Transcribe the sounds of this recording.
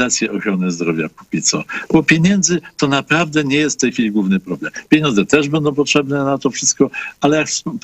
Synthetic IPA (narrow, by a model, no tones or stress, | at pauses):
at̪sʲjɛʔɔxɾɔnɘzd̪ɾɔvʲja̰ku̥pʲit̪sɔ̰bɔpʲjeɲɛnd̪zɘt̪ɔnapɾavd̪ɛɲɛjɛst̪ft̪ɛjxfʲilʲiɡwuvnɘpɾɔblɛmpʲjeɲɔnd̪zɛt̪ɛʐbɛnd̪ɔ̃w̃pɔtʂɛbnɛnat̪ɔfʂɘ̥st̪̚kɔalɛjaks